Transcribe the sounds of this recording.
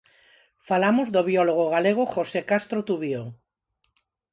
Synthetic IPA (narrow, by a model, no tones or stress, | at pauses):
falamozðoβiɔloɣ̞oɣaleɣ̞oχosekast̪ɾot̪uβjo